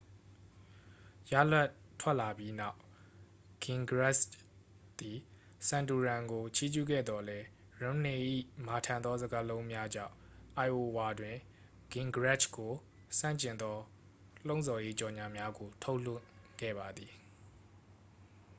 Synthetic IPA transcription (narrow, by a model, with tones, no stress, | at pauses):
ja̰˦˨la˦ʔ | tʰwɛ˦ʔla˨bji˦na˦˨ʊ | ɡ̥ɪ̃˨ŋɡɹɛ˦s | t̪i˨ | sã˨ntu˨ɹã˨ŋɡo˨t͡ɕʰi˦d͡ʑṵ˦˨ɡɛ̰˦˨d̪ɔ˨lɛ˦ | ɹã˨˦mne˨ʔḭ˦˨ma˨tʰã˨nd̪ɔ˦zə˦ɡa˦lõ˦ʊ̃mja˦d͡ʑã̰˦˨ʊ̃ | ʔa˨ɪʔo˨wa˨dwɪ̃˨ | ɡ̥ɪ̃˨ŋɡəɹɛ˦t͡ʃko˨ | sã̰˦˨ɲt͡ɕɪ̃˨nd̪ɔ˦ | l̥õ˦ʊ̃zɔ˨je˦t͡ɕɔ˨ɲa˨mja˦ɡo˨tʰo˦ʊl̥ɪ̰̃˦˨kɛ̰˦˨ba˨d̪ði˨